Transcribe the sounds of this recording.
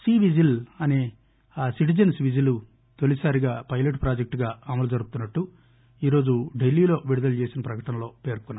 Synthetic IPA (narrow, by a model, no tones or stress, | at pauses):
siːʋid͡ʒilɐneː | asiʈ̬id͡ʒɐnsʋid͡ʒilu | t̪o̞lisaːɾiɡaːpɐjleʈpɾaːd͡ʒek̚ʈɡaːɐmɐlud͡ʒɐɾukut̪unːɐʈːu | iːɾo̞ːd͡ʒuɖelːiːlo̞ːʋiɽud̪ɐlut͡ʃe̞ːsinɐpɾɐkɐʈɐnɐlo̞ːpe̞ːɾkunːa